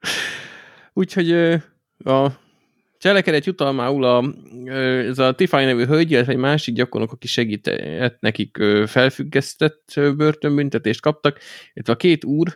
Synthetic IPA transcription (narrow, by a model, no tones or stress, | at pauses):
uːcho̞ɟøː | ɒ | t͡ʃɛlɛkɛd̪ɛt̪jut̪ɒlmaːulɒøɛzɒt̪ifajnɛvyːɦølɟilːɛt̪ʋɛɟmaːʃiɡɟɒkonokɒkiʃɛɡiːt̪ɛt̪nɛkikøːfɛlfyɡːɛst̪ɛt̪ːøbørt̪ø̞mbynt̪ɛt̪eːʃt̪kɒp̚t̪ɒklːɛt̪ʋɛɒkeːt̪uːr